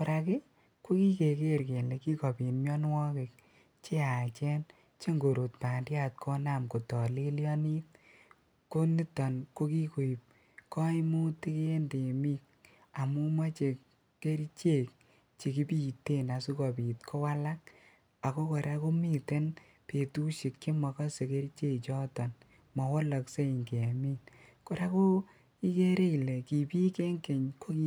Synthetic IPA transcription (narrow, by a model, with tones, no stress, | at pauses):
pʊ˨ɾa˨kɪ˦ | ko˦ki˦ke˨ke˦ɾke˨nle˨˧ki˦kɔ˨pi˨nmjɔ˦nwɔ˦ke˨k̚ | t͡ʃe˦a˨t͡ʃɛ˦n | t͡ʃe˦ŋɡo˨ɾo˨tpa˨ndja˦t̚kʰɔ˦na˨mko˨tɔ˨li˦ljɔ˦ni˦t | ko˦ni˦tɔ˨nko˦ki˦ko˨i˨p̚ | kɔ˦i˦mu˦ti˦ke˦e˦nde˨mi˦k̚ | a˨mu˦ma˦t͡ʃe˨ | ke˦ɾi˦t͡ʃe˦˨k | t͡ʃe˨ki˦pi˦˨te˦na˨su˦kɔ˨pi˨tkʰo˦wa˦la˦k̚ | a˨ko˦kɔ˨ɾa˦ko˦mi˦˨te˦n | pe˨tu˦ʃi˨kt͡ʃe˦mɔ˨kɔ˦se˨ke˦ɾi˦t͡ʃe˦t͡ʃɔ˦tɔ˨n | mɔ˨wɔ˦lɔ˨kse˦i˨ŋke˨a˨mi˦n | ko˨ɾa˦ko˦ | i˦ke˦ɾe˦i˨le˨ki˨pi˦ke˦ŋke˨ɲko˦ki